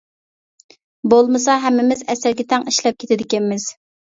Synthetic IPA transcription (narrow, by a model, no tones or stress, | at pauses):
bolˠmɨsɑɦɛmːɪmɪzɛsæɾɡʲɛt̪ʰɛŋiʃlɛp̚kʲʰet̪ʰɪd̪ɪkʲɛnmɪz̥